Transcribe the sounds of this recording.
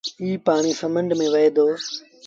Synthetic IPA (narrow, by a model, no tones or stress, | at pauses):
iːpaːɳ̃isəmə̃ɳɖmẽːʋɐɦeːd̪oː